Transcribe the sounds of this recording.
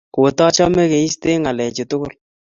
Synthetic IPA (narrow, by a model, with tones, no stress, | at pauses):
ko˨tɔ˦t͡ʃɔ˦mɛ˦ke˨i˦ste˦ŋa˨lɛ˨t͡ʃe˨tʊ˦kʊ˦l